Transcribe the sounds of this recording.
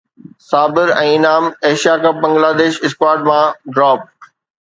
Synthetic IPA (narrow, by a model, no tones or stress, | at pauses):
saːbɪɾɛ̃ːɪnaːmeːʃijakɐp̚bɐ̃ŋɡlaːd̪eːʃɪskwaːɾʈmãɖɾaːp̚